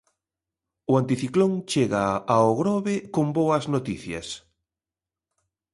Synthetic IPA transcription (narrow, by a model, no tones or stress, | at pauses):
ʊant̪iθikloŋt͡ʃeɣaːoɣɾɔβɪkomboɐznot̪iθjɐs